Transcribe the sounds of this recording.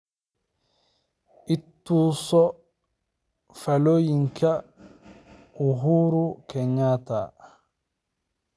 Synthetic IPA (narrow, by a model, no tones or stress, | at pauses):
ʔitːusɔ | falojiŋkʰa | uɦuːɾukɛɲːaːta̰